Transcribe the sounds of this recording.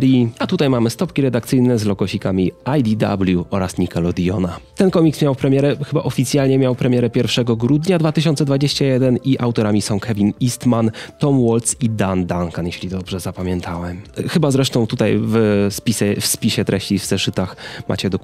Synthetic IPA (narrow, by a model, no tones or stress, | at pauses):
ɾiat̪ut̪ajmamɘst̪ɔpkʲiɾɛd̪ak̚t̪sɘjnɛzlɔɡɔɕikamʲiajd̪ʲid̪a̰bljuʔɔɾasɲikalɔd̪ʲiɔnat̪ɛnkɔmʲiksmʲjawpɾɛmʲjɛɾɛxɘba̰ʔɔfʲit̪sʲjalɲɛmʲjawpɾɛmʲjɛɾɛpʲjɛɾfʂɛɡɔɡɾud̪ɲad̪vat̪ɘɕ̬ɔnt̪sɛd̪vad͡ʑeɕt͡ɕajɛd̪ɛniʔawt̪ɔɾamʲisɔ̃w̃kʰɛvʲinist̪mant̪ɔmwɔlt̪sid̪and̪aŋkanjeɕlʲid̪ɔbʐɛzapamʲjɛnt̪ʰawɛmxɘbazɾɛʂt̪ɔ̃w̃t̪ut̪ajvspʲisɛfspʲiɕɛt̪ɾɛɕt͡ɕivzɛʂɘt̪axma̰t͡ɕɛd̪ɔ